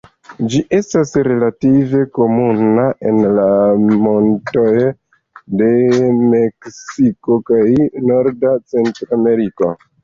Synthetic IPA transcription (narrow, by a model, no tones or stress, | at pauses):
d͡ʒiʔe̞stasɾe̞lative̞ko̞munaʔe̞nlamo̞nto̞j | de̞me̞ksiko̞kajno̞ɾdat͡se̞ntɾoame̞ɾiko̞̰